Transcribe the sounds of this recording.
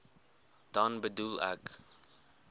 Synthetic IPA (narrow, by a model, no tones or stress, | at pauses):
d̥ɑnbədulæ̰k